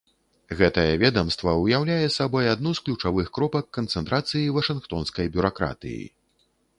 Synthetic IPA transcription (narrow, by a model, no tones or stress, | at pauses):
ɣɛt̪ɐjɛvʲɛd̪ɐmst̪vɐujawlʲajɛsabɔjad̪nusklʲut͡ʂavɨxkɾɔpɐkːɐnt̪sɛnt̪ɾat̪sɨjivɐʂɨnxt̪ɔnskɐjbʲuɾakɾa̰t̪ɨ̰jḭ